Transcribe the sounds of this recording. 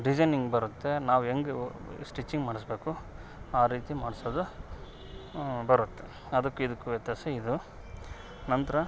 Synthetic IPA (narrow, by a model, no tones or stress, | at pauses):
ɖid͡ʒɐjniŋɡbɐɾut̪ːe̞naːʋueŋɡesʈit͡ʃːiŋɡmaːɽisbe̞ːku | aːɾiːt̪imaːɽsoːd̪u | bɐɾut̪ːe̞ | ɐd̪ɐkːuid̪ukːuʋjɐt̪jaːseid̪u | nɐnt̪ɐɾɐ